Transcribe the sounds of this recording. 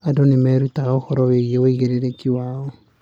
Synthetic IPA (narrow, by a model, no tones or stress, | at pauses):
adonemɛɾutaɣaohɔɾɔweiewoiɣeɾeɾekiwaɔ